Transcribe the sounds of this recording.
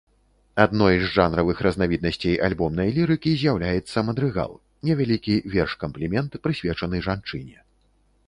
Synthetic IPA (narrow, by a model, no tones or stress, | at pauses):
ad̪nɔjzʐanɾɐvɨxɾɐznavʲid̪̚nɐsʲt͡sʲejʔalʲbɔmnɐjlʲiɾɨkʲizʲjawlʲajɛt̪sːɐmɐd̪ɾɨɣa̰lˠ | nʲɛvʲalʲikʲivʲɛrʂkɐmplʲimʲɛnt̪pɾɨsʲvʲɛt͡ʂɐnɨʐant͡ʂɨnʲɛ